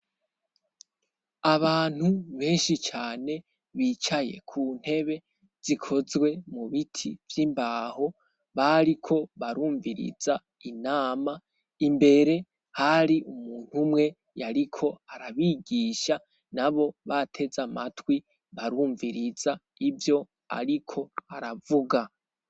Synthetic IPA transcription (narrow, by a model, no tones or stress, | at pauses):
aβaːn̥huβe̞ːnʃit͡ʃaːne̞ | βiːt͡ʃaje̞̰kʰuːn̥he̞βe̞ | z̥ikʰo̞zwe̞muβitʰḭvjimbaːho̞ | βaɾikʰo̞βaɾuːɱviɾḭza | inaːma | imbe̞ɾe̞ | haɾiumuːn̥humŋe̞ | jaɾikʰo̞aɾaβiɡiːʃa | naβo̞βatʰe̞zamatwi | βaɾuːɱviɾiza | ivjo̞ | a̰ɾikʰo̞aɾavuɡa